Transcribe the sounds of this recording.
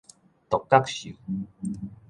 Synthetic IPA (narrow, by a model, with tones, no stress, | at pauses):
t̪ɔ˨˩kːa˦˥k̚ɕḭ˨˦